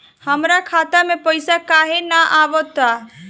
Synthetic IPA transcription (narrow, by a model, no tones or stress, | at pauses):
həmɾakʰaːt̪amẽpəɪsakaːɦenaʔaːʋɔt̪a